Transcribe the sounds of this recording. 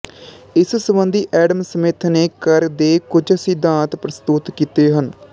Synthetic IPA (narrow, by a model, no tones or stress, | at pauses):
ɪssəbənd̪iːʔɛːɖəmsəmeːt̪ʰneːkəɾd̪eːkʊd͡ʒsɪd̪ãːt̪pɾəst̪ʊt̪kiːt̪eːɦən